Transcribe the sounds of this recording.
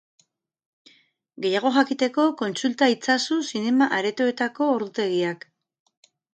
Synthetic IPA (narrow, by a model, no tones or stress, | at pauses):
ɡe̞jaɣ̞o̞xakit̪e̞ko̞ko̞nt͡sult̪ait͡sasusine̞maʔaɾe̞t̪oe̞t̪ako̞ːɾðut̪e̞ɣiak